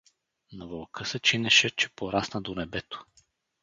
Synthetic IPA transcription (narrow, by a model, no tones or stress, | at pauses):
nɐvəlˠkɤsɛt͡ʃinɛʃɛt͡ʃɛpoɾasnəd̪onɛbɛt̪o̥